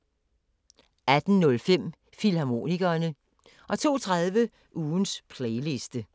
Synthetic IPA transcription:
æd̥n̩nːɔ̽lfem̰ | filhɑ̈mo̝̰ːniɡ̥ɐːnə | ʔɒ̽t͡sʰo̝̰ːt͡sʰʁaðˠʋə | ʔuːnspʰleɪle̝sd̥ə

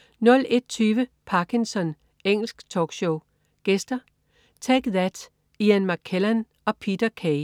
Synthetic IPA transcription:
nɔ̽l̰e̝d̥̚t͡sʰyːʋəpʰɑ̈kʰinsɒ̽n | eŋ̰l̩sɡ̥t͡sʰɒːɡ̥ɕoʊ | ɡ̥esd̥ɐ | t͡sʰæɡ̥ðæd̥ | iænmɑkʰelæn | ɒ̽pʰid̥ɐkʰeɪ

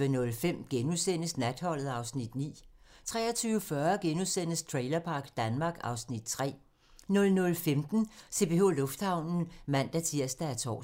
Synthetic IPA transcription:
ənɔ̽lfem̰ɡ̥enuðˠsen̰əsnæd̥hɒ̽l̰ð̩ˠɑ̈ʊsnid̥nḭː | t͡sʰʁɛ̰ːɐt͡sʰyːʊəfɶɐɡ̥enuðˠsen̰əst͡sʰʁɛɪlɐpʰɑ̈ɡ̥d̥ænmɑ̈ːɡ̥ɑ̈ʊsnid̥t͡sʰʁɛ̰ː | nɔ̽lnɔ̽lfemd̥n̩se̝b̥eo̝lɔ̽fd̥hɑ̈ʊ̰nn̩mæn̰d̥æt͡sʰiɐ̰sd̥ææɐt͡sʰɒ̰ː

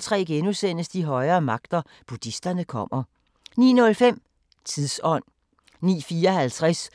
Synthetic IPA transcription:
t͡sʰʁɛ̰ːɡ̥enusen̰əsd̥iɦɒ̽ɪɐːmɑ̈ɡ̥̚d̥ɐ | b̥ud̥isd̥ɐnəkʰɒ̽m̰ɐ | nḭːnɔ̽lfem̰ | t͡sʰiðˠsɒ̽n̰ | nḭːfiːɐɒɦælt͡sʰʁas

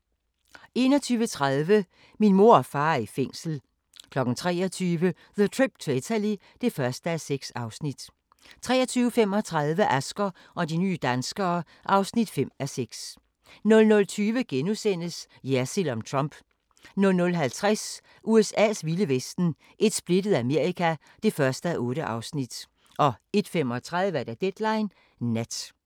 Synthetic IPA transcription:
e̝ːnɒ̽t͡sʰyːʋət͡sʰʁaðˠʋə | minmo̝ɐ̰ɒfɑ̈ːɐifeŋ̰sl̩ | kʰlɒ̽ɡ̥n̩t͡sʰʁɛ̰ːɐt͡sʰyːʋə | ðət͡sʰʁib̥t͡sʰeet͡sʰæli | d̥e̝fɶɐsd̥əæseɡ̥sɑ̈ʊsnid̥ | t͡sʰʁɛ̰ːɐt͡sʰyːʊəfem̰ɒ̽t͡sʰʁɑ̈ðˠʋəʔæsɡ̥ɐ | ʔɒ̽diny̰ːd̥ænsɡ̥ɐː | ʔɑ̈ʊsnid̥fem̰æseɡ̥s | nɔ̽lnɔ̽lt͡sʰyːʋəɡ̥enusen̰əs | jæɐsilɒ̽mt͡sʰʁɑmb̥ | nɔ̽lnɔ̽lɦælt͡sʰʁas | ʔuesɛ̰ːsʋiləʋesd̥n̩ | ʔe̝d̥sb̥le̝d̥ð̞̩ˠæme̝ɐikʰæ | d̥e̝fɶɐsd̥əæʔɔ̽ːɾəʔɑ̈ʊsnid̥ | ʔɒ̽e̝d̥fem̰ɒt͡sʰʁɑ̈ðˠʋəæɐd̥æd̥ed̥lɑ̈ɪnː | æd̥

